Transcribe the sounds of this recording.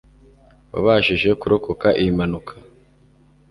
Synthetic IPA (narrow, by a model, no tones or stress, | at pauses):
wa̰βaʃiʒe̞kuɾo̞ko̞kaʔimanukʰḁ